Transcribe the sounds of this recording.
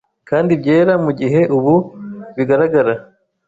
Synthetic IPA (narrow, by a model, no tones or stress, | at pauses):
kaːndibɟe̞ːɾamuɟiɦe̞ʔuβuβiɡaɾaɡaɾa